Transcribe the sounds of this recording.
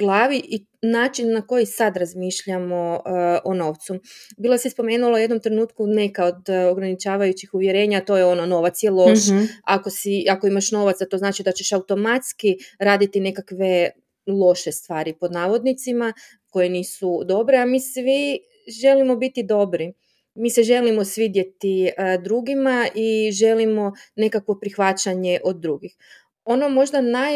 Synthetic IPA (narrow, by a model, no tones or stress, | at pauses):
ɡlˠaːʋiʔi | naːt͡ʃinːako̞jisad̪ɾazmiʃʎamo̞ʔono̞ːʋt̪subilˠosispo̞me̞ːnulˠoujed̪no̞mt̪ɾe̞nuːt̪kune̞kaod̪oɡɾanit͡ʃaːʋajut͡ɕixuʋjeɾe̞ːɲat̪o̞jeo̞nono̞ʋat̪sjelˠo̞ʃako̞siako̞imaʃno̞ʋat̪sat̪o̞znaːt͡ʃid̪at͡ɕe̞ʃaut̪o̞mat̪skiɾaːd̪it̪ine̞kakʋe̞ | lˠo̞ʃest̪ʋaːɾipo̞d̪naːʋo̞d̪nit̪sima | ko̞jeniːsud̪o̞bɾeamiːsʋi | ʒe̞limo̞bit̪id̪o̞bɾi | miːseʒe̞limo̞sʋiːd̪je̞t̪id̪ɾuːɡimaʔiʒe̞limo̞nekakʋo̞pɾixʋat͡ɕaɲe̞ʔo̞d̪̚ːɾuːɡix | o̞nomo̞ʒd̪anaj